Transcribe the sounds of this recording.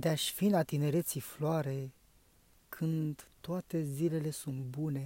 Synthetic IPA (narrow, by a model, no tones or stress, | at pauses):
d̪eaʃʲfinat̪ine̞ɾe̞t̪sifloaɾe̞ | kʰɨnd̪t̪ːoat̪e̞zile̞le̞sunt̪bune̞